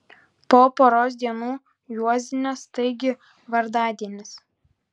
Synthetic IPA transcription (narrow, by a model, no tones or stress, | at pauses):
poːpoːɾoːs̬d̪ʲiɛnuː | juɔzʲɪnʲoːst̪ɐɪɡʲɪ | ʋɐɾd̪ɑːd̪ʲiɛnʲɪs